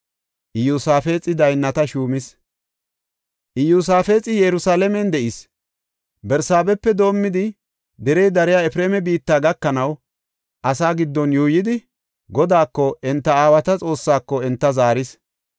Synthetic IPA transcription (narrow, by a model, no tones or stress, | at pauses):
ʔɪjusaːfe̞ːt͡sʼɪd̪ɐjnːɐt̪ɐʃuːmɪs | ʔɪjuːs̬aːfe̞ːt͡sʼɪjɛɾʊsaːlɛmɛnd̪ɛʔɪs | bɛɾsaːbɛpːɛd̪o̞ːmːɪd̪ɪ | d̪ɛɾɛjd̪ɐɾɪjaːɛfɾeːmɛbiːt̪ːaːɡɐkːɐnɐw | ʔɐsaːɡɪd̪ːɔnjuːjɪd̪ɪ | ɡɔd̪aːkːɔʔɛnt̪ːɐaːwɐt̪ɐt͡sʼo̞ːsːaːkːɔɛnt̪ːɐzaːɾɪs